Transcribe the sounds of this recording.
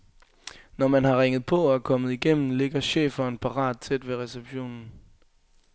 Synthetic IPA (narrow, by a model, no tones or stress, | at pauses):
nɒmænɦɑ̈ʁeŋ̰ð̞̩ˠpʰɒ̽æɐkʰɒ̽mð̞̩ˠiɡ̥em̰n̩le̝ɡ̥ɐɕḛːfɐnpʰɑ̈ʁɑ̰̈ːd̥̚t͡sʰed̥ʋe̝ʁɛseb̥ɕo̝̰ːnn̩